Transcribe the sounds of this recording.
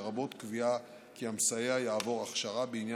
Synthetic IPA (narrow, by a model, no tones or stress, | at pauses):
ʁabo̞t̪kvia | kiamsajeajaːvo̞ʁaχʃaʁabeinja